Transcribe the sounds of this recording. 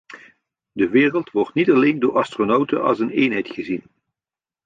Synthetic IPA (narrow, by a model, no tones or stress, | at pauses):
dəʋɪːrəlˠtʋɔɹtnitɑlejndʊːɹɑstronowtə̰ɑ̰lˠsəneːnɦɛjtχəzin